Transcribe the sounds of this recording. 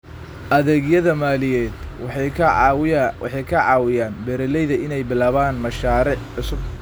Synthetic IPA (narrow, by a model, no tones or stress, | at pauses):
ʔɐðɛɡjɐðɐmaːlɪjɛːd̪ | ħɑjkʰɐʕɑːwɪjaːnbɛɾɛlɛjðɐɪnɛjbɪlaːβaːnmɐʃaːɾɪʕħʊsʊb̚